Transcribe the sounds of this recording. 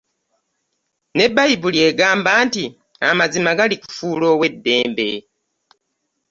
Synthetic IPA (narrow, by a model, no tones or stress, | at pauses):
nebajibulieɡaːmbaːnti | a̰mazimaɡaliku̥fulo̞wedːeːmbe